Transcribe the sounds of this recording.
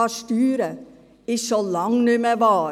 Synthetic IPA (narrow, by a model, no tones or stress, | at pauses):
ɑst̪yːɾə | ɪsɔlɑŋnʉːmeʋɑː